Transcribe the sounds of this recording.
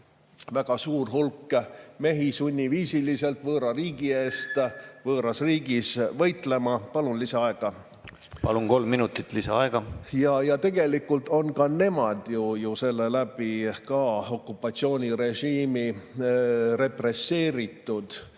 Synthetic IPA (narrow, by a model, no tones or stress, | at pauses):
væɡ̥ɑsuːrhulkːme̞ɦisunʲːiviːsilise̞lt̪vɤːɾɑriːɡie̞ːst̪vɤːɾɑsriːɡisvɤjt̪ˑle̞mɑpɑlunlisɑɑe̞ɡ̥ɑ | pɑ̰luŋko̞lmːinut̪ːˑit̪ˑlisɑɑeɡ̥ɑjɑjɑt̪e̞ɡ̥e̞likːˑult̪o̞nkɑne̞mɑd̪̥jujuse̞lːe̞læb̥ikɑo̞kːˑupːˑɑt̪sio̞ːnʲiɾe̞ʒiːmi | re̞p̪re̞sːe̞ːɾit̪ːˑud̪̥